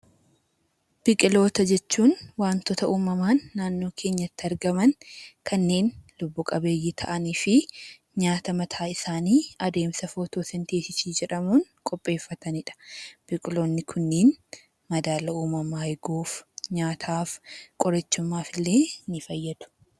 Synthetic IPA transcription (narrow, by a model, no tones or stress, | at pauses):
b̥ɪkʼɪlo̞ːt̪ɐd͡ʒɛt͡ʃːuːnwaːnt̪ɔt̪ɐʔuːmɐmaːnːaːnːo̞ːkʰe̞ːɲːɐt̪ːɪɐɾɡɐmɐnkʰɐnːe̞ːnlʊbːʊkʼɐbe̞ːjːɪt̪ʰɐʔɐniːfɪ | ɲaːt̪ɐmɐt̪ʰaːɪsaːniːɐd̪e̞ːmsɐfoːt̪oːsɛnt̪eːsɪsiːd͡ʒɛᶑɐmuːn | kʼɔpʼːe̞ːfːɐt̪ɐnɪᶑɐ̥b̥ɪkʼɪlo̞ːnːɪkʰʊnːeːn | mɐd̪aːlɐuːmɐmɐɐjɡuːfɲaːt̪ʰaːfkʼɔɾɐt͡ʃːʊmːaːfɪlːe̞ːnɪfɐjːɐd̪̥ʊ̥